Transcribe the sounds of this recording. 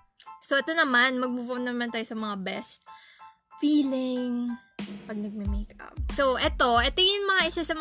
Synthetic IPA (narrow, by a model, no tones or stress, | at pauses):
soʔɛt̪o̞nɐmanmɐɡ̚mupʊʔonːɐmɐnt̪aːjosɐmɐŋabɛst̪̚ | fiːlɪŋ | pɐɡ̚nɐɡ̚mɛmejkɐ̰p̚soʔɛt̪o̞ʔɛt̪ɪŋɪnmɐŋaʔɪsasɐm